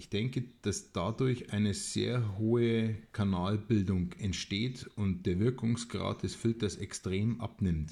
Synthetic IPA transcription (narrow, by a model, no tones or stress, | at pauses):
ʔɪçd̥ɛŋkəd̥asd̥adʊɐçʔaɪnəz̥ḛːɐɦoːəkʰanaːlbɪldʊŋʔɛntʃteːtʊnt̚d̥eːɐvɪɐkʊŋsɡ̥ʁa̰ːt̚d̥ɛsfɪltɐsɛkstʁ̥eːmʔa̰pnɪmt